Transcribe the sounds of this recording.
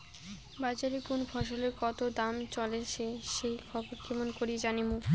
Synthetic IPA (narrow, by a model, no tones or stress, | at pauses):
bad͡ʑaɾikonobʰʱɔʃ̬oleɾkɔt̪od̪amt͡ɕɔlet͡ɕʰeʃejkʰɔboɾkemonkoɾid͡ʑanimu